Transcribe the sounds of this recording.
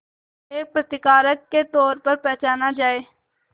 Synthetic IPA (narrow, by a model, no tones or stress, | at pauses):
eːk̚pɾət̪ɪkaːɾəkːet̪ɔːɾpəɾpɛɦt͡ʃaːnad͡ʒaːeː